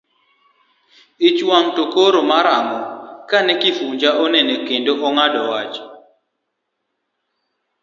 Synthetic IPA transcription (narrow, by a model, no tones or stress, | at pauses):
it͡ʃwaŋtokoɾomaɾaŋɔkanɛkifuɲd͡ʒaʔɔnɛnekendoʔɔŋadɔwat͡ʃ